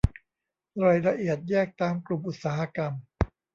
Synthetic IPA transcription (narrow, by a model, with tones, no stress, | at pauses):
ɾɔ˨˩jɾa˧ʔi˨˩ət̪̚jɛː˥˩k̚t̪aː˧mklu˨˩mʔu˨˩t̪̚saː˩˦ɦa˧ka˧m